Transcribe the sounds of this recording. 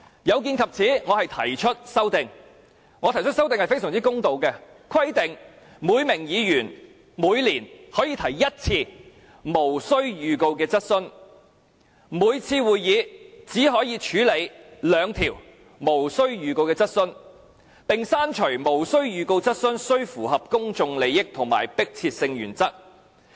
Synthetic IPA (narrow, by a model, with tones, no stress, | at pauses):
jɐ˨˧wk̬iː˧nkʰɐ˨p̚t͡sʰiː˨˥ŋɔː˨˧hɐ˨jt̪ʰɐ˨˩jt͡ʃʰɵ˥t̚sɐ˥wt̪ɪ˨ŋ | ŋɔː˨˧t̪ʰjt͡ʃʰɵ˥tsɐ˥wt̪ɪ˨ŋhɐ˨jfe˥sœː˨˩ŋt͡si˥kʊ˥ŋt̪o˨wkɛ˧ | kʰwɐ˥jt̪ɪ˨˩ŋ | muː˨˧jmɪ˨˩ŋjiː˨˧jyː˨˩n | muː˨˧jliː˨˩nhɔː˨˥jiː˨˧t̪ʰɐ˨˩jːɐ˥t̚t͡sʰiː˧ | mo˨˩wsɵ˥ɥjyː˨ko˧wkɛː˧t͡sɐ˥t̚sɵ˥n | muː˨˧jt͡sʰiː˧wuː˨jjiː˨˧t͡siː˨˥ɦɔː˨˥jiː˧t͡ʃʰyː˨˥le˨˧jlœː˨˧ŋt̪ʰiː˨˩w | mo˨˩wsɵ˥ɥjyː˨ko˧wkɛː˧t͡sɐ˥t̚sɵ˥n | pɪ˨ŋsaː˥nt͡ʃʰɵ˨˩ɥmo˨˩wsɵ˥ɥjyː˨ko˧wt͡sɐ˥t̚sɵ˥nsɵ˥ɥfuː˨˩hɐ˨p̚kʊ˥ŋt͡sʊ˧ŋle˨˧jːɪ˥k̚t̪ʰʊ˨˩ŋma̰ː˨˩jpɪ˥k̚t͡sʰiː˧t̚sɪ˧ŋjy̰ː˨˩nt͡sɐ˥k̚